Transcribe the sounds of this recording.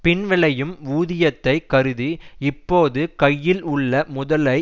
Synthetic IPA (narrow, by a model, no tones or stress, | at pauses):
pɪnʋɪɭɐjɯmuːðɪjɐt̪ːɐɪkɐɾɯðiɪpːoːðɯkɐjːɪlʊɭːɐmʊðɐlɐɪ